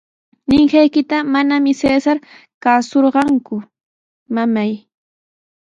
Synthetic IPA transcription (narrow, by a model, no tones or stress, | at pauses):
nɪŋhajkɪt̪amanamɪseːsaɾ | kaːsoɾɢɑŋkʊ | mamaj